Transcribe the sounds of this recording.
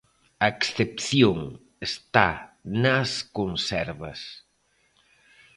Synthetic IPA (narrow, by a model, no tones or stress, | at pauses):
ɐeksθepθjoŋ | est̪anaskonsɛɾβɐ̰s